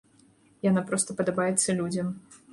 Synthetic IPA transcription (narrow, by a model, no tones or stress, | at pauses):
janapɾɔst̪ɐpɐd̪abajɛt̪sːɐlʲud͡zʲɐm